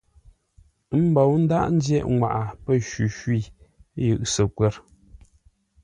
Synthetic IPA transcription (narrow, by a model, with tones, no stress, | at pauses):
m̩˦bɔ˨wn̩˦da̰˦ʔn̩˦djɛ˦ʔŋwa̰˨ʔa˨pə˦ʃʉ˨ʃwi˦˨˦jɨ˨ʔsə˨kwɛ˦˨ɾ